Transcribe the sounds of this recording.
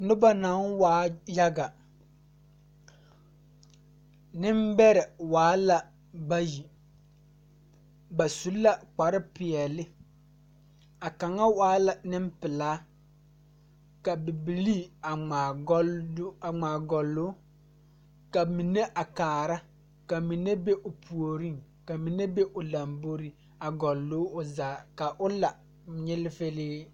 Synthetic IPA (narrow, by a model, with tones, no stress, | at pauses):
nʊ˦ba˦na˨˦nwaː˦ja˦ɡa˨ | nɪ˦mbɛ˦ɾɪ˨waː˨˦la˨ | ba˦ji˨ | ba˨su˨˦lːa˦k͡pa˨ɾɪ˦pɪ˨ɛ˨lɪ˦ | a˨ka˨ŋa˦waː˨˦la˨nɪ˦mpɪ˨laː˦ | ka˨bɪ˨bi˨liː˦˨a˨a˨˦ | a˨ŋ͡maː˨ɡɔ˨lːʊ˦ | ka˨mi˨ne˦ʔa˨kaː˨ɾa˦ | ka˨mi˨ne˦be˦ʔʊ˨pʰu˨o˨ɾi˦ŋka˨mi˨ne˦be˦ʔʊ˨la˨mbo˦ɾi˦ | a˨ɡɔ˨lːo˦ʊ˨zaː˨ka˨ʔʊ˦la˨ | ɲɪ˦lɪ˦fe˦liː˦